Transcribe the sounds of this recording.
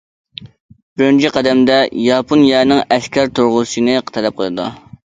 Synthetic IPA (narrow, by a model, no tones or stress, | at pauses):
bɪɾɪnt͡ʃʰiqʰæd̪ɛmd̪ɛjɑpʰonjɛnɪŋɛskʲʰæɾt̪ʰuɾʁʊsɨnɨqʰə̥t̪ʰɛlɛp̚qʰoj̪ˠɨd̪ṵ